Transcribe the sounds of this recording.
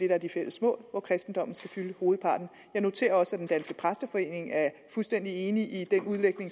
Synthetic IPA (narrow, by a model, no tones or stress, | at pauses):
d̥e̝ɾææɐd̥ifel̰əsmɔ̰̽ːlʋɒkʰʁɛsd̥n̩d̥ɒ̽mn̩sɡ̥æfyləho̝ːð̩ˠpʰɑ̈ːd̥n̩ | jɑ̈ɪno̝t͡sʰe̝̰ːɐɒ̽səæd̥end̥ænsɡ̥əpʰʁasd̥əfɒ̽e̝̰ːne̝ŋæɐfulsd̥en̰d̥ie̝ːniʔid̥enuðˠleɡ̥ne̝ŋ